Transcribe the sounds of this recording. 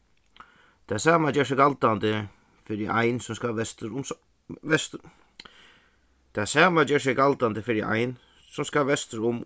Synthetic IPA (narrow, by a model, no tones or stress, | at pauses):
t̪ʰasaːmad͡ʒɛːs̬ɪɡalt̪ant̪ə | fɪɾɪʔajnsʊmskaɛst̪ɾʊm | ɛst̪ | t̪ʰasaːmad͡ʒɛːɹs̬ɪɡalt̪and̪əfɪɾɪʔa̰jn | sʊmskaʋɛst̪əɾʊm